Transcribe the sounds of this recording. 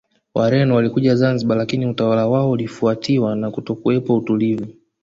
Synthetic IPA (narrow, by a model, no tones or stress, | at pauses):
wʔaɾɛnɔwalikuʄazanziɓalakiniutawalawaɔulifuatʰiwanakutɔkuwɛpautulivu